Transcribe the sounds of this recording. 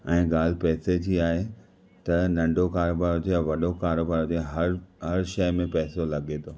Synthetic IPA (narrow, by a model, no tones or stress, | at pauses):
ɛ̃ːɡaːl̤ɪpɛːsed͡ʑiːaːɦe | t̪ɐnɐ̃ɳɖʱokaːɾoːbaːɾod͡ʑeɐʋɐɗokaːɾoːbaːɾod͡ʑeɦɐɾɦɐɾʃɐjmẽpɛːsolɐɠet̪ʰoː